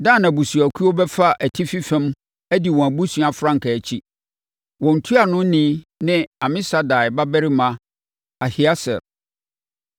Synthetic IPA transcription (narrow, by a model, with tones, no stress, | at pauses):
dãː˦˨nã˨bu˨su˨æ˨kʰu˦o˦bɛ˦fa˦ʔæ˨tʰi˦fi˦fɛ̃˦m | æ˦di˨wɔ̃˨æ˨bu˦sũ˦a˨fɾã˦ŋ̩˨kʰa˨æ˨t͡ɕʰi˦ | wɔ̃˨n̩˨tʰu˦a˨nʊ̃˦nɪ̃˦nɪ̃˦ã˨mɪ̃˦sa˦da˨ba˦bæ˦ɾi˦mã˨ | a˨hi˨a˦sɛ̰˨ɾ